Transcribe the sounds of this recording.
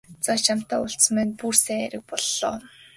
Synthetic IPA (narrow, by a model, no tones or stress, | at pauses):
t͡sɔt͡ɕʰam̥t̪aːʊɬs̆mæːnpursæːæ̰ɾɘ̆k̚pɔɮːɔ̰ː